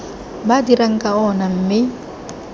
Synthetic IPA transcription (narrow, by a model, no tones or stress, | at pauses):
badiɾaŋ̩kʼaɔnam̩ːmɪ